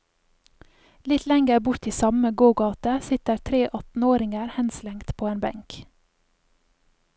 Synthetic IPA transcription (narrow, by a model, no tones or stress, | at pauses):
lɪt̪lɛŋɡəɾbʊɾt̪iːsɑməɡoːɡɑːt̪əsɪt̪əɾt̪ʰɾeːʔɑt̪n̩oːɾɪŋəɾhɛnslɛŋt̪pʰoːeːnbɛ̰ŋk